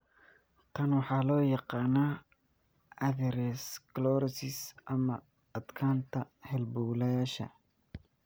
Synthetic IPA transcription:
t̪ʰɐnwɑħɑːlɔːjɑqɑːnaː | ɐðɛɾɛsklɔɾɐsɪsʔɐmɐː | d̪kʰaːnt̪ʰɐhɛlbuːlɐjaːʃɐ̰

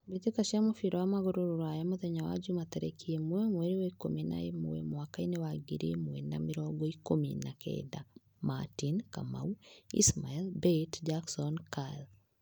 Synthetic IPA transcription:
bet̪ekaʃamofiɾɔwamaɡɔɾoɾoɾajamoðɛɲawa̰d͡ʒumat̪ɛɾɛ̰kʰiemuɛmweɾiwɔikomena̰jemṵwɛ̰mwakainewaɡiɾiemwɛna̰miɾɔɡɔikomḭnakʰɛ̰da | matinka̰ma̰uḭsmaɛlbetd͡ʒaksɔnkal

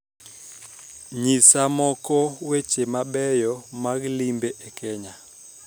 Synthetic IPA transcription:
ɲisamɔkɔwet͡ʃemaɓɛjɔmaklimbeʔɛkɛɲa

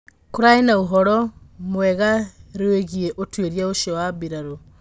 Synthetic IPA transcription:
kuɾaenauɦɔɾɔmwɛɣaɾeweɣieʔotweɾjaoʃewabiɾaɾo

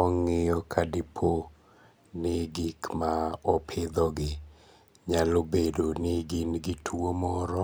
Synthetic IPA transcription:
ɔŋɪjɔkʰadɪpʰo | nɪɡikmaɔpʰɪd̪ɔɡɪ | ɲalobedonɪɡɪnɡɪtʰwomɔɾɔ

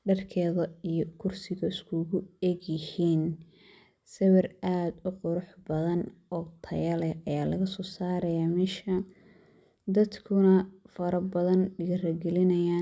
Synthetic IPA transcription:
ɖɐrkʰɛːðɐijɔkʰʊrsɪɣɐɪskʰʊɣʊɛɡjɪhiːn | sɐwɐrʔaːd̪ʊqʊɾʊħbɐðɐnɔːt̪ʰɐ̰jɐlɛɐjaːlɐɣɐsɔːsaːɾɐjaːmɛʃɐ | d̪ɐd̪kʰʊnɐfɐɾɐbɐðɐnɖɪɣrɐɡɛlɪnɐjaː

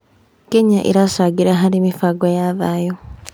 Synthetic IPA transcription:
keɲaʔḛɾasaɡiɾaɦaɾimifaɡwajaːβaːjo

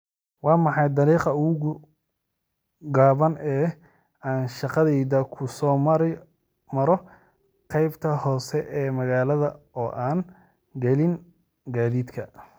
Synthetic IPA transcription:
wɑːmɑħɑjd̪ɑɾiːqɑʊɣʊɣʊ | ɡaːβɐnɛː | aːnʃɑqɑðɛjðɐkʰʊsɔːɾ | mɐɾɔ | qɑjbt̪ʰɐhɔːsɛʔɛːmɐɣaːlɐðɐ | ɔːʔaːn | ɡɐlɪn | ɡaːðiːd̪kʰɐ

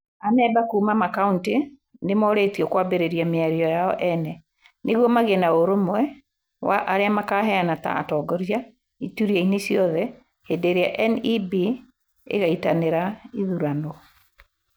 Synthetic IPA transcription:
anɛbakuːmamakaunte | nemɔɾetiɔkwabeɾeɾiameaɾiɔjaɔʔɛnɛ | neɣwɔmaɣenaoɾomwɛ | wa̰ʔaɾeamakaːɦɛanata̰ːtɔːɡɔɾja | ituɾiainesiɔðɛ | hedeɾeaʔɛnibi | ḛɣaitaneɾaiðuɾanɔ

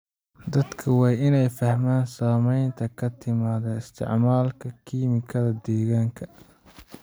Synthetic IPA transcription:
d̪ɐd̪kʰɐwɑːjɪnɛjfɐhmaːnsaːmɛjnt̪ʰɐkʰɐt̪ʰɪmaːðɐɪst̪ʰɪ̰ʕmaːlkʰɐkʰiːmɪkʰɐðɐd̪ɛːɣaːŋkʰɐ

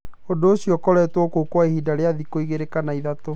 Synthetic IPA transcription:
odoːɕiɔkɔɾɛtwɔkoukwaehiːdaɾeaðikoiɣeɾekanaiðato

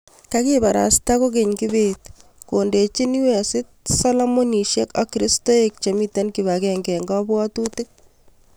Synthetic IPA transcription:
kakibaɾa̰stakok̬eɲkibetkondet͡ʃiniwɛsɪt̚salɔmoniʃekakːɾistoek̚t͡ʃemitankiβakɛŋɡɛŋɡɔbwɔtutɪk̚

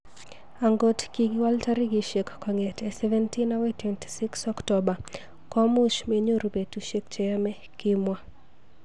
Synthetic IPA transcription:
aŋɡɔtkiɡiwaltaɾiɡiʃɛkːɔŋɛtɛsɛvɛntinawetwɛnti̥siksɔktɔba | kɔmuʃmeɲuɾupɛtuʃɛk̚t͡ʃɛamɛ | kimwa

